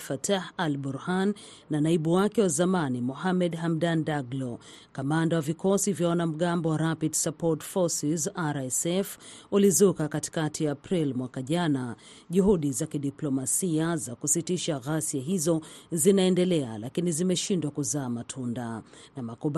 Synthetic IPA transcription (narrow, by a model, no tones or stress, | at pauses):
fatʰahalbɔɾhanː | anaiɓuwakɛwazamanimɔɦamɛdɦamdandaɡlɔ | kamandawavikɔsivjawanam̩ɠambɔwaɾapidsapɔtfɔsizaɾɛsɛfulizukakati̥katʰiapɾilmwakaʄana | ʄuɦuɗizakiɗiplɔmasiazakusitiʃaɣasiaɦizɔzinaɛndɛlɛa̰lakinizimɛʃindwakuzaːmatʰundanamakuɓ